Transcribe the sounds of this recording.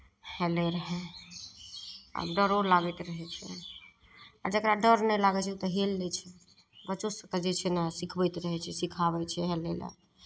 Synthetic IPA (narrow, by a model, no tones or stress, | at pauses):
helɛɾəɦɛ | a̰ɖəɾolaɡɛt̪ɾəɦɛt͡ʃʰɛ̰ | a̰d͡ʒəkɾaɖəɾnɛlaɡɛt͡ʃʰɛut̪əɦelːɛt͡ʃʰɛ | bət͡ʃosə̃t̪əd͡ʒet͡ʃʰɛnasikʰbɛt̪ɾəɦɛt͡ʃʰɛsikʰaβɛt͡ʃʰɛɦɛlḛlɛ̰